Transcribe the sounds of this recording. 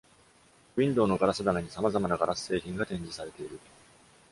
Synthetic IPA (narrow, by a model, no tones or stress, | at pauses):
ĩnd̪o̞ːno̞ɡaɾasɨd̪anaɲ̟isamazamanaɡaɾasɨ̥se̞ːçʲĩŋɡat̪ẽ̞ɲ̟d͡ʑisaɾe̞t̪e̞iɾɯ̟